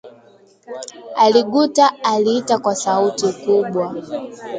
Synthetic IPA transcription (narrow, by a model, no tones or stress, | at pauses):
aliɡutaːliːtakwasautikuɓwa